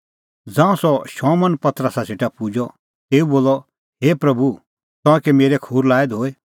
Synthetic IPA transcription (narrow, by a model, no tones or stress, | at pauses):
d͡zãːũsɔʃɔːmənpɐt̪ɾəsaseʈapud͡ʒɔ | t̪eːuboːlɔ | ɦeːpɾɐbu | t̪ɔ̃ɛ̃kemeːɾɛkʰuːɾlaːɛd̪ɦoːe